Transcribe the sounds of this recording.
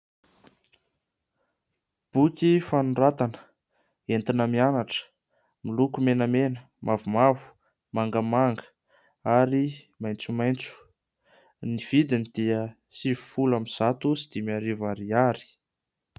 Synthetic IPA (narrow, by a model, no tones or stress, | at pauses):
b̥ukʲifanurat̪anə̥ | ent̪inəmianaʈ͡ʂə̥ | milukumenəmenə | mʔavumavu̥ | maŋɡəmaŋɡə̥ | aɾi | majnt͡sumajnt͡su̥ | niv̥id̪inid̪̥iə | sivufulamiz̥at̪usid̪̥imiaɾivaɾiaɾi̥